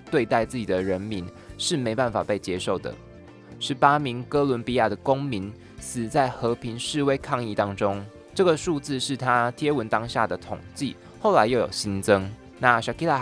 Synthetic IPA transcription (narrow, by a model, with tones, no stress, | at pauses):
t̪we˥˧ɪt̪a˥˧ɪt͡sɹ̩˥˩t͡ɕi˨˩d̪ə˩ɻə˧˦nmi˧˥˦n | ʂɻ̩˥˩me˧˥ɪpa˥˩nfa̰˨˩pe˥˩ɪt͡ɕjɛ˥ʂo˥˩ʊd̪ə̰˩ | ʂɻ̩˧˦pa˥mi˧˥ŋkɤ˦lwə˧˥npi˧˥ja˥˩d̪ə˩ko˥ŋmi˧˥˦n | s̩˨˩t͡sa˥˩ɪxɤ˧˦pʰi˧˥ŋʂɻ̩˥˨we˥ɪkʰɑ˥˧ŋi˥˨˩t̪ɑ˥ŋʈ͡ʂo˥ŋ | ʈ͡ʂɤ˥˩ɡə˩ʂu˥˧t͡sɹ̩˥˧ʂɻ̩˥˩t̪ʰa˦t̪ʰjɛ˥wə˧˦nt̪ɑ˥ŋɕja˥˩d̪ə˩t̪ʰo˨˩ŋt͡ɕi˥˨ | xo˥˩ʊla˧˦ɪjo˥˩ʊjo̰˨˩ʊɕi˦˥nt͡sə˥ŋ | na˥˨ɕɑ˨˩ki˥la˥˩